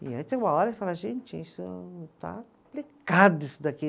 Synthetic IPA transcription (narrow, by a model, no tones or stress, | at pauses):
ḭait̪ẽj̃ũmɐɔɾɐfalaʒẽnt͡ʃɪisʊt̪a̰kõplikad̪ʊisʊd̪aki